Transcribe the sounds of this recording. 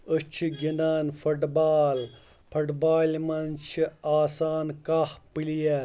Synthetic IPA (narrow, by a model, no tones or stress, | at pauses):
ət͡ʃʰiɡinaːnfɐʈbaːl | pʰɐʈbaːlmɐnt͡ʃʰiaːsaːnkahpilijɐ